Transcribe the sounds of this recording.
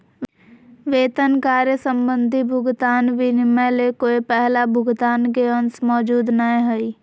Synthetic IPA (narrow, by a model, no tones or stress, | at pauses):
ʋeːt̪ənkaːɾjəsə̃mbə̃nd̪ʱibʱʊɡt̪aːnʋɪnmelekoːepɛɦlabʱʊɡt̪aːnk̬eənsmɔːd͡ʒuːd̪nəɦẽɦoi